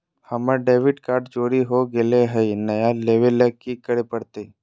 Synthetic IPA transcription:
həməɖeːʋɪʈkaːɾɖt͡ʃoːɾiɦoɡeleɦɛinɐjaleːʋelːəkikəɽepəɽt̪e

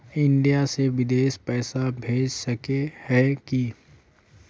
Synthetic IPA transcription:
ɪ̃ɳɖijaseʋɪd̪eːʃpɛːsabʱeːd͡ʒsɐkehɛki

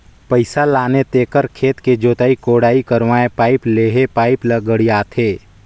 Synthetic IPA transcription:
pəɪsalaːnet̪eːkəɾkʰeːt̪ked͡ʒoːt̪aːikoːɽaːikəɾʋaːẽpaːɪpleːɦepaːɪpləɡəɽijaːt̪ʰeː

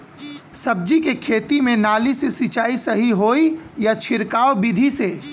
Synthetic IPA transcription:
sɐb̚d͡ʒikekʰeːt̪imẽnaːlisesit͡ʃaːisɐɦiɦoːijat͡ʃʰɪɾkaːobid̪ʱiseː

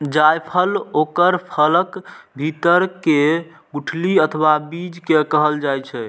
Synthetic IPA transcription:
d͡ʒajpʰəlokəɾpʰələkbʱit̪əɾke | ɡuʈʰliət̪ʰwabid͡ʒkekəɦəld͡ʒajt͡ʃʰɛ

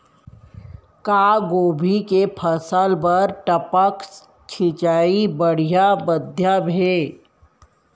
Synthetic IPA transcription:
kaːɡoːbʱikepʰəsəlpɐɾʈəpək | t͡ʃʰɪt͡ʃaːibəɽ̤ijabəd̪ʱjabʱeː

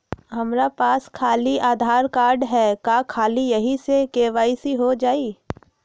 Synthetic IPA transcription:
ɦɐmɾapaːskʰaːliaːd̪ʱaːɾkaːɾɖɦɛːkakʰaːlijɐɦisekeːʋaːisiɦod͡ʒaːiː

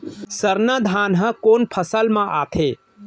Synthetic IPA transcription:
səɾnəd̪ʱanɦə̃konpʰəsəlmãʔa̰t̪ʰe

